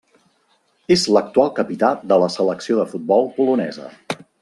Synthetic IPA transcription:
ezlək̚t̪ualˠkəpit̪ad̪ələsələksioðəfud̪̚bɔlˠpulunɛ̰zə̰

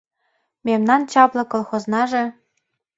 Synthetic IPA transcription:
mʲemnɑnt͡ɕɑplˠɤ̆kŏlˠxoznɑʒĕ

